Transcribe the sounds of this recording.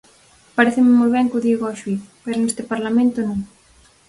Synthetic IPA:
paɾeθɪmɪmojβɛŋkʊðiɣaʃwifpeɾʊnest̪ɪpaɾlamẽnt̪onõŋ

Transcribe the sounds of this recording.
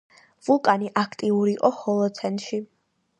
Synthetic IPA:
vulˠkʼaniʔakʰt̪ʼiuɾiːqʼɔhɔlˠɔt̪sʰɛnt̪ʼʃi

